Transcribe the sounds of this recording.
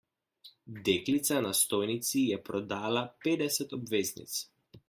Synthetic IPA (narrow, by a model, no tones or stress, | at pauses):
d̪eklit̪sanast̪ɔjnit̪sijɛpɾɔd̪aːlaped̪ɛsɛt̪ɔbveznḭt̪s